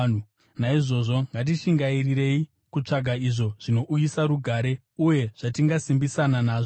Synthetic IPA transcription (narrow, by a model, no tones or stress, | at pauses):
naiʐo̞ʐo̞ŋɡat̬iʃiŋɡairiɾe̞i | kut͡ʂaɡʱaiʐo̞ʐ̥ino̞ʔujisaɾuɡʱaːɾe̞ | uje̞ʐ̥atiŋɡasimbisananaːʐo